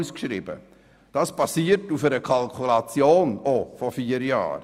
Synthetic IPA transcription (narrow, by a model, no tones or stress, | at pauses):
skʃɾibə̰ | d̥ɑspɑsiːəɾtufɛɾəkʰɑlkʰulɑt͡sjoːnofɔfiːəɾjɑ̰ːɾ